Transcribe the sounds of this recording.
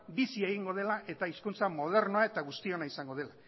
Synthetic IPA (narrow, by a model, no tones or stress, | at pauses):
bisie̞ɣiŋɡo̞ð̞e̞laʔe̞t̪aiskunt͡samo̞ð̞e̞ɾnoae̞t̪aɣ̞ust̪io̞naisaŋɡo̞ð̞e̞la